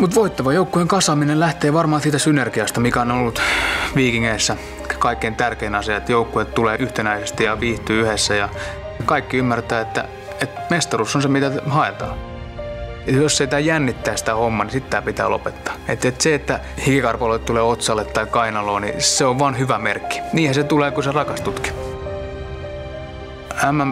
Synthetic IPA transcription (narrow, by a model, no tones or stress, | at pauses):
mut̪ʋoit̪ːɑʋɑjoukːujeŋkɑsɑminellæht̪eːʋɑrmɑːsiːt̪æsynerkiɑst̪ɑmikæononolːut̪ʋiːkiŋːeisːæ | kɑikːeint̪ærkeinɑsiɑet̪joukːuet̪t̪uleːʔyht̪enæisest̪ijɑʋiːht̪yːyhesːæjɑ | kɑikːiymːært̪æːet̪ːæ̰ | et̪mest̪ɑrusːonsemit̪æhɑet̪ɑ̰ː | josːeit̪æːjænːit̪ːæːsi̥t̪æhomːɑnisit̪t̪æːpit̪æ̰ːlo̰pet̪ːɑ̥ːet̪ːet̪seet̪ːæ | hikikɑrpɑloit̪t̪uleːot̪sɑlːet̪tɑikɑinɑloːnḭseoʋʋɑnhyʋæmerkːi̥niːhæset̪uleːkuserɑkɑst̪ut̪ki̥ | æmːæm